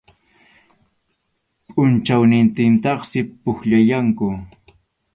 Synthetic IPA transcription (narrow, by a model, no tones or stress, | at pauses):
pʼʊnt͡ʃawnɪnt̪ɪnt̪ɑχsɪpʊxʎajaŋkʊ